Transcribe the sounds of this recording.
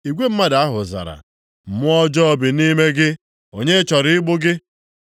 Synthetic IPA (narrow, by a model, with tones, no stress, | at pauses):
i˨ɡʷe˦m̩˦ma˦da˨˦a˦ɦʊ˨za̰˨ɾa̰˨ | m̩˨mʊ˦ɔ˦d͡ʒɔ˦bi˨ni˦me˦ɡɪ˦ | o˨ɲe˦t͡ʃɔ˨ɾɪ˦ɪ˦ɡ͡bʊ˦ɡɪ˦